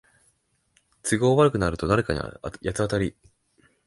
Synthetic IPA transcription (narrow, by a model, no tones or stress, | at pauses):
t͡sɨɡo̞ːβaɾɯ̟kɯ̟naɾɯ̟t̪o̞d̪aɾe̞kaɲ̟ḭjat͡sɨat̪aɾʲi